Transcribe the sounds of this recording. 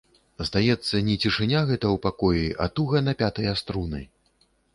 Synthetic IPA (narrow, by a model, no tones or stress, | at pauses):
zd̪ajɛt̪sːɐnʲɛt͡sʲiʂɨnʲaɣɛt̪ɐwpakɔjiɐ̰t̪uɣɐnɐpʲat̪ɐjast̪ɾunɐ̰j